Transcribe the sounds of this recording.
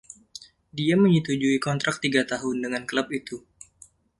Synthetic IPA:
diaməɲət̪ud͡ʒuikɔnt̪ɾʔak̚t̪iɡat̪aɦʊndəŋanklap̚it̪u

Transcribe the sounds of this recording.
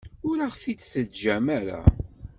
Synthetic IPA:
ʊɾaʁθit͡sːθəd͡ʒæmæɾa̰

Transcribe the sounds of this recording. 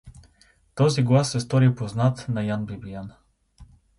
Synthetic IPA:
t̪ɔziɡlˠasːɛst̪ɔɾipoznat̪nɐjanbibijan

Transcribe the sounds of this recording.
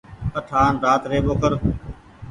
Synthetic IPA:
kəʈʰaːnɾaːt̪ɾeːboːkəɾ

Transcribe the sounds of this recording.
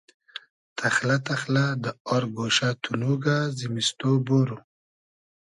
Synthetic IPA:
t̪ʰaxlat̪axlad̪əɔɾɡoʃat̪ʰunuɡazimist̪oboɾu

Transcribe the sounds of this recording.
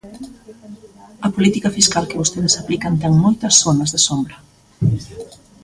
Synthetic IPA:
ɐpolit̪ikɐfiskalkɪβost̪eð̞ɪsaplikɐnt̪ɛŋmojt̪ɐsθonɐzðɪsombɾɐ

